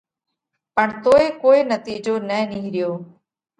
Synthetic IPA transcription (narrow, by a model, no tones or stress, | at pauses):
pəɳt̪oːeːkoːinət̪iːd͡ʒoːnəniːɦɾɪjoː